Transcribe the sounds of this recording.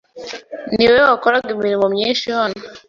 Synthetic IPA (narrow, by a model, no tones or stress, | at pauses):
niwewakoɾaɡimiɾimomɲeːʃijona